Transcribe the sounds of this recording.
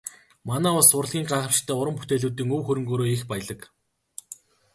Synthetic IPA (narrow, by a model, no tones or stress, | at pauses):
manæːʊɮsʊrɮɣʲiːɴɢaːχə̆pʃɪ̥t̪ʰːæːʊɾə̆mput̪eːɮuːt̪iːŋɵwxɵɾɵ̆ŋɡoːɾoːixpæj̆ɮə̆k